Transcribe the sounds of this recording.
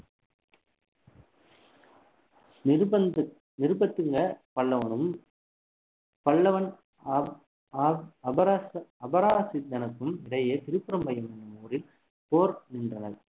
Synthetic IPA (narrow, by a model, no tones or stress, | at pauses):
nɪɾɯbɐt̪ːɯŋɡɐpɐɭːɐʋɐnɯm | pɐɭːɐʋɐn | ɐbɐɾaɐbɐɾaːsɪd̪ɐnɐkːɯmɪɽɐjɐt̪ɪɾɯpːɪɾɐmbɐjɐmɐnɐmuːrɪl | poːɾnɪndrɐnɐɾ